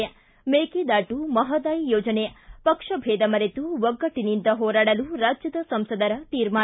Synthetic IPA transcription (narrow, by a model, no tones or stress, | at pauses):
meːkid̪aːʈumɐɦɐd̪aːjijoːd͡ʒɐnepɐkʂɐbʱeːd̪ɐmɐɾet̪uʋɐɡːɐʈːinind̪ɐɦoːɾaːɽɐluɾaːd͡ʒjɐd̪ɐsɐmsɐd̪ɐɾɐt̪iːɾmaː